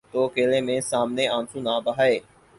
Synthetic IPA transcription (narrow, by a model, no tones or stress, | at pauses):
t̪oːəkeːleːmẽːsaːmneːãːnsũːnaːbəɦaːeː